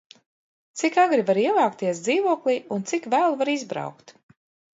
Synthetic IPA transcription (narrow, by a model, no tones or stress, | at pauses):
t̪sikaɡɾivaɾiɛlˠaːkt̪iɛsd̪ziːvuɔklˠiunt̪sikvæːlˠvaɾizbɾa̰wkt̪